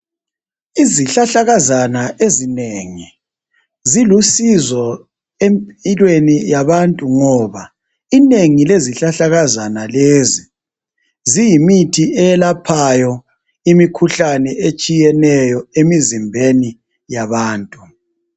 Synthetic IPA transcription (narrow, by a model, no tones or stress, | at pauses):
iziɬaɬaɣazanaezineŋi | zilusizɔ | empʼilwenijaβantʼuŋɔβa | ineŋileziɬaɬaɣazanalezi | zijimitʰiɛɛlapʰajɔ | imikʰuɬanɛet͡ʃʼijɛnɛjɔemizimbʱeni | jaβaːntʼu